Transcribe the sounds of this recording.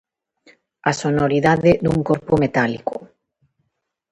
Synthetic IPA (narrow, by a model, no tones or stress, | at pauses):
asonoɾiðaðɪd̪uŋkoɾpʊmet̪alḭko